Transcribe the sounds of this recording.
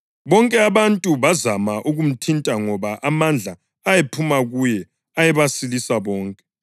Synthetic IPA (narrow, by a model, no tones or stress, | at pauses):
βɔŋkʼɛaβantʼuβazamaʔuɣum̩tʰintʼaŋɔβaʔamand͡ɮʱa | ajepʰumaɣujɛ | ajɛβasilisaβɔːŋkʼɛ̥